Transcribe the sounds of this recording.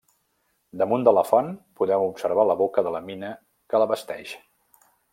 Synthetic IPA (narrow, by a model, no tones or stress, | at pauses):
d̪əmund̪ələfɔnpuðɛmupsəɾβ̞aləβokəðələminə | kələβəst̪ɛ̰ʃ